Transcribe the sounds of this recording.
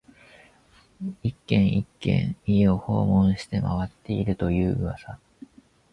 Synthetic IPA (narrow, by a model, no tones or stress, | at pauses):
ikːẽ̞ɰ̃ikːẽ̞̰ɰio̞ho̞̰ːmõ̞ɰ̃ɕi̥t̪e̞ma̰βat̪ːe̞iɾɯ̟t̪o̞jɯ̟ːɯβasa